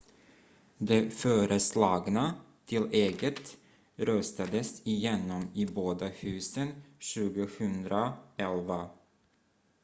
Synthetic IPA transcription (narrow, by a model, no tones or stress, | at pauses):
d̪ɛfœːɾəslɑːɡna | t̪ʰɪleːɡət̪ | ɾœst̪ad̪əsɪjɛnːɔmɪboːd̪ahʉ̟ːsənɕʉ̟ːɡəhɵnd̪ɾaɛlva